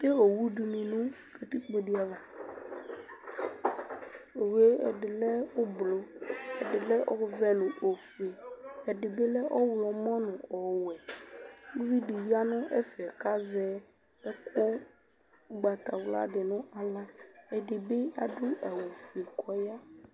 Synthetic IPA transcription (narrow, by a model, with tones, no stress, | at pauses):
t̪e˦o˨wu˦ɖu˨mĩ˨nũ˦ | ke˨t̪i˦k͡po˨ɖi˦a˨la˨ | o˨we˦ɛ̰˨ɖɪ˨lɛ˦wo˦blo˦ɛ˨ɖɪ˨lɛ˦ʔɔ˦vɛ˦nũ˨ʔo˨fe˨ɛ˨ɖɪ˨be˦lɛ˦ʔɔ˦wlɔ˨mɔ̃˦nʊ̃˨ɔ˨wɛ˨ | u˦vi˦ɖe˨ji˦a˦nʊ̃˦ʔɛ̰˦fɛ˨ka˦zɛ˦ | e˦kʰo˦ | u˦ɡ͡ba˨t̪a˨wla̰˦ɖɪ˨nʊ̃˦ʔa˨la˦e˨ɖɪ˨be˦a̰˨ɖo˦a˨wu˨fu˨e˨kʰɔ˦ja˦